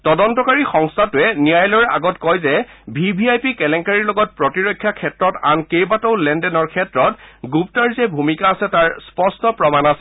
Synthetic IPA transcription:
tɔdɔntɔkaɹixɔŋstʰatʊɛnijajlɔɹa̰ɡɔtkɔjzɛbʱibʱiajpikɛlɛŋkaɹiɹlɔɡɔt̚pɹɔtiɹɔkʰːjakʰɛtɹɔta̰nkejbatɔwlɛndɛnɔɹkʰɛtɹɔtɡup̚taɹzɛbʱumikaːsɛtaɹspɔɹstɔpɹɔmanasɛ̥

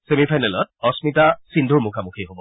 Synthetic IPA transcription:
semipʰajnɛlɔt̚ɔsmitasindʱuɹmukʰamukʰiɦobɔ

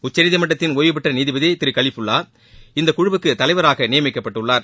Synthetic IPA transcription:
ʊt͡ʃːɐɾɪðɪmɐʈːɐt̪ːɪnoːjɯp̬ɛʈrɐniːðɪʋɪðeːt̪ːɪɾɯkɐɭɪpːɯɭːaː | ɪnd̪ɐkʊɻʊbɯkːɯt̪ɐlɐɪʋɐɾaːɣɐnɪjɐmɪkːɐpːɐʈːɯɭːaːɾ

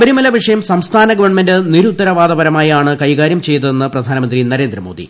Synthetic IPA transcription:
bɐɾumɐlɐʋiʂɐjɐmsɐmst̪ʰaːnɐɡɐʋɐrɳmendɨniɾut̪ːɐɾɐʋaːd̪ɐbɐɾɐmaːjaːɳɨkɐjɣaːɾjɐmt͡ɕe̞jt̪uðenːɨprɐd̪ʱaːnɐmɐnd̪rinɐɾe̞ːnd̪rɐmo̞̰ːd̪ḭ

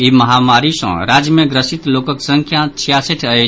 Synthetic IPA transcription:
iməɦamaɾisə̰̃ɾad͡ʒjəmeɡɾəsit̪lokəksə̃ŋkʰjat͡ʃʰijasiʈʰəj

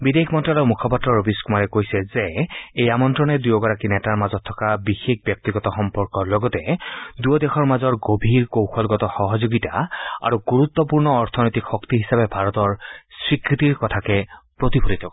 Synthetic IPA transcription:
bid̪ekmɔntɹalɔmukʰɔpatɹɔɹobiskumaɹɛkojsɛzeejamɔntɹɔnɛd̪ujɔɡɔɹakinɛtaɹmazɔt̪ʰːɔ̥kabixek̚ʰbjɔk̚t̪iɡɔtɔxɔmpɔɹkɔɹlɔɡɔt̪ɛd̪ujɔdexʰɔɹmazɔɹɡobʱiɹkowxʰɔlɡɔtɔxɔɦɔzoɡita̰a̰ɹuɡuɹut̪ːɔpuɹnɔːɹt̪ʰɔnɔjt̪ikxɔkt̪iɦisabɛbʱaɹɔt̪ɔɹsɹikɹit̪iɹkɔtʰakɛpɹot̪ipʰolit̪ʰɔkɔ

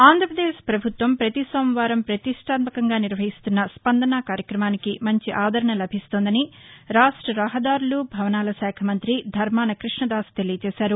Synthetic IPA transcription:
aːnd̪ʱɾɐpɾɐd̪eːʃpɾɐbʱut̪ʋɐmpɾɐt̪isomʋaːɾɐmpɾɐt̪iʂʈaːt̪̚mɐkɐŋɡaːniɾʋɐɦist̪unːɐspɐnd̪ɐnɐkaːɾjɐkɾɐmaːnikimɐɲt͡ʃiʔaːd̪ʱɐɾɐɳɐlɐbʱist̪oːnd̪ɐniɾaːʂʈɾɐɾɐɦɐd̪aːɾulubʱɐʋɐnaːlɐsaːkʰɐmɐnt̪ɾid̪ʱɐɾmaːnɐkɾiʂɳɐd̪aːst̪elijt͡ʃɛːsaːɾu

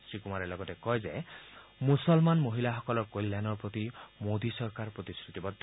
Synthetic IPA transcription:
sɾikumaɾelɔɡɔtekɔjd͡ʒemusɔlmanmoɦilaɦɔkɔlɔɾkolːanɔɾpɾɔt̪imod̪isɔɾkaɾpɾɔt̪iskʰɾut̪ibɔd̪ʱ

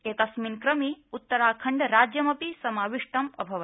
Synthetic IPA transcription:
eːt̪ɐsmiːnkɾɐmiut̪ːɐɾaːkʰɐɳɖɾaːd͡ʒjɐmɐpisɐmaːʋiʂʈɐmɐ̰bʱɐʋɐ

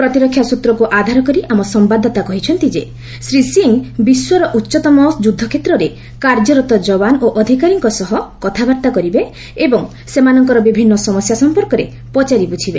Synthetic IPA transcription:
pɾɔt̪iɾɔkʰːjasut̪ɾɔkuʔad̪ʱaɾɔkɔɾiʔamɔsɔmbad̪ʱːɔt̪akɔɦit͡ʃʰɔnt̪id͡ʒe | sɾisiŋbiswɔɾɔʔutːʃɔt̪ɔmɔsd͡ʒud̪ʱːɔkʰet̪ɾɔɾe | kaɾd͡ʒɔɾɔt̪ɔd͡ʒɔβanoʔɔd̪ʱikaɾiŋkɔsɔɦɔkɔt̪ʰabaɾt̪akɔɾibeː | bɔŋ | semanɔŋkɔɾɔbibʱinːɔsɔmɔsjasɔmpɔɾkɔɾe | pɔt͡ʃaɾibut͡ʃʰibe

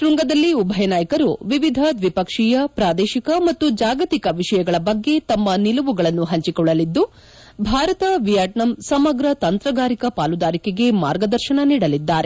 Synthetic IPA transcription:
ʈɾuŋɡɐd̪ɐlːiubʱɐjɐnaːjɐkɐɾuʋiʋid̪ʱɐd̪ʋipɐkʂijɐpɾaːd̪ɛːʃikɐmɐt̪ːud͡ʒaːɡɐt̪ikɐʋiʃɐjɐɡɐɭɐbɐɡːe̞t̪ɐmːɐnilɐʋuɡɐɭɐnːuɦɐɲt͡ʃikɔɭːɐlid̪ːu | bʱaːɾɐt̪ɐʋijɐʈnɐmsɐmɐɡɾɐt̪ɐnt̪ɾɐɡaːɾikɐpaːlud̪aːɾikeɡe̞ma̰ːɾɡɐd̪ɐɾʃɐɳɐniːɽɐlid̪ːaːɾe

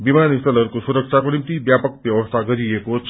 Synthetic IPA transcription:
bimaːnist̪ələɾkosuɾəkʃʰakonɪmt̪ibjaːpək̚bjɐʋəst̪ʰaɡəɾiekot͡ʃ

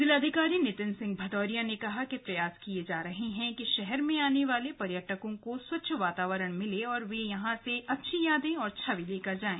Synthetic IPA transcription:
d̪ɪlaːd̪ʱɪkaːɾinɪt̪ɪnsɪ̃ŋɡ̚bʱɐd̪ɔːɾijanekɐɦakepɾɐjaːskied͡ʒaːɾɐɦeɦɛ̃kiʃɛɦɛɾmẽaːneʋaːlepɐɾjəʈəkõkoswɐtːʃʰʋaːt̪aːʋəɾəɽ̃mɪleɔːɾʋejɐɦãseɐtːʃʰijaːd̪ẽɔːɾt͡ʃʰɐʋileːkɐɾd͡ʒaːẽː

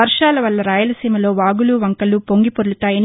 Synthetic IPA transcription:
ɐɾʂaːlɐʋɐlːɐɾaːjɐlɐsiːmɐlo̞ːʋaːɡuluʋɐŋkɐlupo̞ŋɡipoɾuɭut̪aːjɐn

